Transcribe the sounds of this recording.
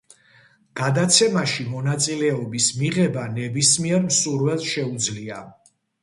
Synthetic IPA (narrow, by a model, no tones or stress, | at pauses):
ɡ̥ad̪at̪sʰɛmaʃimɔnat̪sʼilɛɔbismiʁɛbanɛbismiɛɾmsuɾwɛlˠʃɛud̪zlia